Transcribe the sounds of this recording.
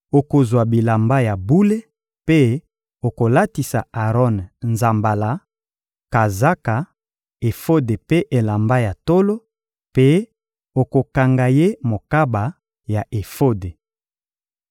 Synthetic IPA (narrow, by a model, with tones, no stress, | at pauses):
o˨ko˨zwa˨bi˨la˨mba˦ja˨bu˦le˦ | pe˦ | o˨ko˨la˦ti˨sa˨a˨ʁɔ˦nnza˨mba˨la˨ | ka˨za˦ka˨ | e˨fo˦de˨pe˦ʔe˨la˨mba˦ja˨to˦lo˦ | pe˦ | o˨ko˨ka˨ŋɡa˨je˦mo˨ka˦ba˨ | ja˨ʔe˨fo˦de˨